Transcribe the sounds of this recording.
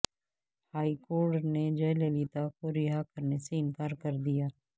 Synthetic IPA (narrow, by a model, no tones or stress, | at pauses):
haːikoːɾʈned͡ʒɐjlelit̪akoɾɪɦakəɾneseɪnkaːɾkɐɾd̪ijaː